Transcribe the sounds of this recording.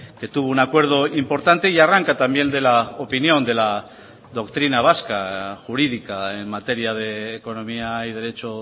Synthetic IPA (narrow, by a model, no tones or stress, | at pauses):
ke̞t̪uβounakwe̞ɾð̞o̞impo̞ɾt̪ant̪e̞iaraŋkat̪ambje̞nd̪e̞laopinjõ̞nd̪e̞la | ðo̞kt̪ɾinaβ̞askaxuɾiðikaenmat̪e̞ɾjaðe̞ːko̞no̞miaiðe̞ɾe̞t͡ʃo